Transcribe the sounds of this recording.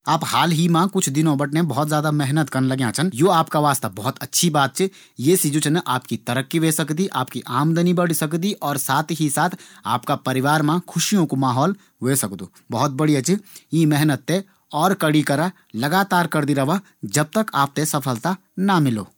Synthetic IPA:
aːphaːlɦimãkʊt͡ʃʰd̪ɪnõbɐʈnẽbɔɦːt̪zjaːd̪amɛɦnət̪kɐnlɐɡjãt͡ʃʰɐnjoːaːpkaʋaːst̪abɔɦːt̪ɐtːʃʰibaːt̪̚t͡ʃɪ | jeːsid͡ʒut͡ʃʰnʔaːpkit̪ɐɾəkːiʋeːsɐkd̪iʔaːp̚kiʔaːmd̪ənibɐɽ̤sɐkd̪iʔɔːɾsaːt̪ʰɦisaːt̪ʰa̰ːpkapɐɾɪʋaːɾmãkʰʊʃijõkomaːɦɔːl | ʋeːsɐkd̪ṵː | bɐɦɔt̪̚bɐɽiat͡ʃɪimɛɦnət̪ːe | ɔːɾkɐɽikɐɾa | lɐɡaːt̪aːɾkɐɾd̪iɾɐʋa | d͡ʒɐb̚t̪əkaːp̚t̪esɐpʰəlt̪a | namɪlo̰ː

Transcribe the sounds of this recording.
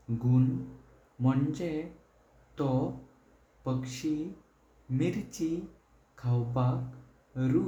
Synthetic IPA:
ɡuɳ | m̤əɳd͡ʑe | t̪ɔ | pəkʂi | miɾt͡ɕi | kʰawbak | ɾu

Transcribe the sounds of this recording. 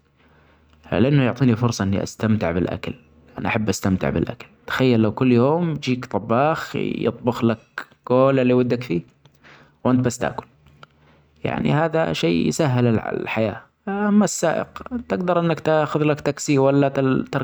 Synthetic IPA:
lɪʔanːʊjʊʕt̪ˤiːnifʊɾsˤɑʔɪnːḭʔa̰st̪amt̪ɪʕbɪlʔa̰kal | ʔanaʔaħabːʔast̪amt̪ɪ̰ʕbɪ̰lʔa̰kḁlt̪ḁxajːalːawkʊlːjoːmd͡ʒiːkt̪ˤɑbːɑːxjɨ̰t̪ˤbʊxlak̚ | ɡ̥oːlalːiwad̪ːakfiː | wʔɪnt̪̚basːt̪ʔa̰ːkʊl | ja̰ʕnḭhaːða̰ʃeːjsaɦːɪlɪl̰lħaja̰ː | ʔamːasːa̰ːʔɪ̰qt̪ɪɡd̪ɑɾˤʔɪnːakt̪axʊðlakt̪aksiwalːat̪t̪ɑɾ

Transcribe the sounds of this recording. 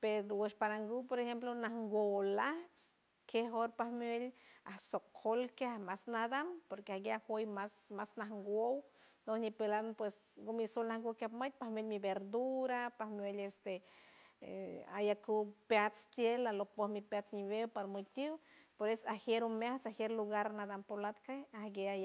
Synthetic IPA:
peɾoweʃpaɾaŋɡupoɾexemplonahŋɡʷolaht͡s | keɦoɾpahmelahsokʰːolkahmasnad̪ampoɾkeaɡeahojmasmasnahŋɡʷownohɲipelanpwes | ɡomisolnahŋɡowkʲjapmət̪̚pahmʲelʲmibeɾd̪uɾapahmjelest̪e | a̰jakupjat͡st̪jelalopohmipjat͡sɲibewpaɾmɨt̪ʲiwpoɾesahjeɾumjaht͡sahjeɾluɡaɾnad̪ampolat̪keahɡeaja

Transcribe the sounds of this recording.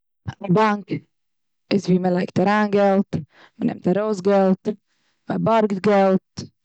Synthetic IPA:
abaŋk | ɪsviːməlˠaɪk̚taɾaːnɡɛlˠt | mənɛ̰mtaɾoʊsɡɛlˠt | məbɔɾɡtɡɛlˠt̚

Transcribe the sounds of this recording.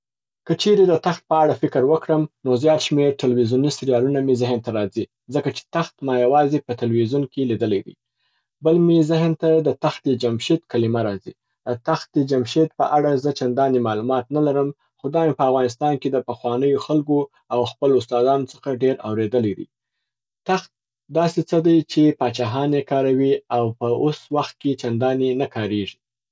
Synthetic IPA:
kət͡ʃeɾed̪ət̪axt̪̚pəaɽafɪkəɾwəkɽəmnozjɑt̪ʃmeɾʈɪlwizjunisiɾijɑlunamezɪɦənt̪aɾɑzi | zəkat͡ʃe̥t̪axt̪mɑjawɑzepət̪alwizunkelid̪əlajd̪ḭ | bəlmezɪɦnt̪ad̪ət̪axt̪̚d̪əd͡ʒamʃed̪kalɪmaɾɑzi | d̪ət̪axt̪̚d̪əd͡ʒamʃid̪pə̰ʔaɽazət͡ʃand̪ɑnemɑlumɑt̪nalaɾəm | xod̪ɑmepəavɣɑnɪs̬t̪ɑnked̪əpəxwɑnəjoxalɡo | awxpəlʊst̪ɑd̪ɑnot͡sə̥xaɖeɾa̰wɾed̪əlajd̪ḭj | t̪axt̪̚ | d̪ɑset͡səd̪ajt͡ʃepɑt͡ʃɑɦɑnekɑɾawiawpəoswaxt̪̚ket͡ʃand̪ɑnenakɑɾeʐi

